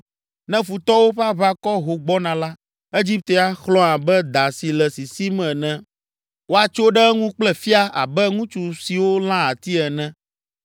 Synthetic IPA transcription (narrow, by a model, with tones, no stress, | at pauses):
nɛ̃˦fu˨t̪ɔ˦wo˦ɸa˦βa˦kɔ˦ɦo˨ɡ͡bɔ˦nã˨la˦ | e˦d͡ʑi˦p̚t̪e˨˦a˦xlɔ̃˦ã˨bɛ˦d̪a˨si˨lɛ˨si˨si˦mɛ̃˨nɛ̃˦ | wo˦a˨t͡ʃo˦ɖɛ˦ŋũ˦k͡plɛ˦fi˦a˦ʔa̰˨bɛ˦ŋũ˦t͡ʃu˨si˨wo˦l̃ã˦a˨t̪i˦ɛ˨nɛ̃˦